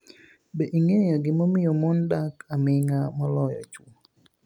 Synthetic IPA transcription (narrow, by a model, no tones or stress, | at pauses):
beʔiŋejɔɡɪmomɪjɔmɔndakamɪŋamɔlɔjɔ̰t͡ʃu